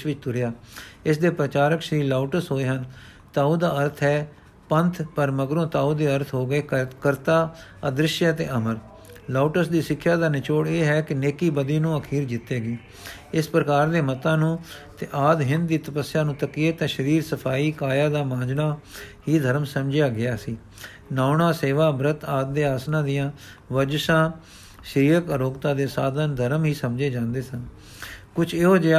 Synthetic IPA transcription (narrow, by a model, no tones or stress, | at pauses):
ʃʋɪt͡ʃt̪ʊɾjaːɪsd̪eːpɾət͡ʃaːɾəkʃəɾiːlaːuʈəsɦoːeːɦən | t̪aːuːd̪aːəɾt̪ʰɦɛː | pənt̪ʰpəɾməɡɾõːt̪aːuːd̪eːəɾt̪ʰɦoːɡəeːkəɾt̪aːəd̪ɾɪʃjat̪ḛːʔəməɾ | laːuʈəsd̪iːsɪkʰːjaːd̪aːnɪt͡ʃoːɽeːɦɛːkɪneːkiːbəd̪iːnũːəkʰiːɾd͡ʒɪt̪ːeːɡiː | ɪspɾəkaːɾd̪eːmət̪ãːnũːt̪eːʔaːd̪ɦɪ̃nd̪̚d̪iːt̪əpəsɪjaːnũːt̪əkiːet̪ãːʃəɾiːɾsəpʰaːiːkaːjaːd̪aːmãːd͡ʒnaːɦiːd̪ʱəɾmsəmd͡ʒɪjaːɡɪjaːsiː | naːʊnãːseːʋaːbɾət̪aːd̪̚d̪eːaːsnãːd̪ɪjãː | ʋəd͡ʒsãː | ʃɾiːəkəɾoːɡt̪aːd̪eːsaːd̪ənd̪ʱəɾəmɦiːsəmd͡ʒeːd͡ʒãːnd̪eːsən | kʊt͡ʃʰeɦoːd͡ʒe